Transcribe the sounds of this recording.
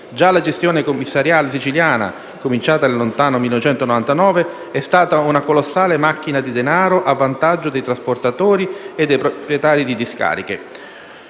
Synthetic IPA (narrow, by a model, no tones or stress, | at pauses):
d͡ʒalad͡ʒest̪joːnekomːisːaɾjaːlesit͡ʃiljaːna̰ | komint͡ʃaːt̪alont̪aːnomilːnoet͡ʃɛnt̪onovant̪anɔːve | ɛst̪aːt̪aunakolosːaːlemak̟ːinad̪id̪enaːɾoʔavːant̪ad͡ʒːod̪ejt̪ɾasport̪at̪oːɾied̪ːejpɾopɾjɛt̪aːɾid̪id̪iska̰ːɾik̟ḛ